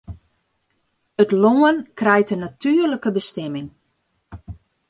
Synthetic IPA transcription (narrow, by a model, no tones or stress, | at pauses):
ətloːənkrɛjtənatʰyərləkəbəstɛmɪŋ